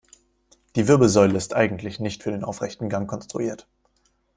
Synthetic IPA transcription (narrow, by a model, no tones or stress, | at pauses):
d̥iːvɪɐbl̩zɔʏləɪstʔaɪɡŋ̩tʰlɪçnɪçtfyːɐdeːnʔa̰ʊfʁ̥ɛçtn̩ɡaŋkʰɔnstʁ̥ṵʔiːɐt